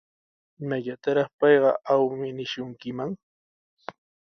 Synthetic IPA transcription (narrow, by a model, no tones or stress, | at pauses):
ɪmaʎat̪aɾɑχpɑjɢɑʔawmɪnɪʃʊŋkɪmaŋ